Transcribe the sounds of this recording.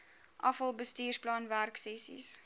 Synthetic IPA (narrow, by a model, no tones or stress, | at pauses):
ʔɐfəlˠbəstiːrsplɑnværksɛsḭs